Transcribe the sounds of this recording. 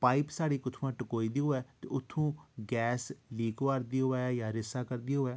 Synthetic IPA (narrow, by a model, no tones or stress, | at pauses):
paːipsaːɽiːkʊt̪ʰːʋãːʈəkoːiːd̪iːoːɛːt̪eʊt̪ʰːũːɡɛːsliːkoaːɾd̪iːɦoaːjaːɾɪsaːkəɾd̪iɦoːɛː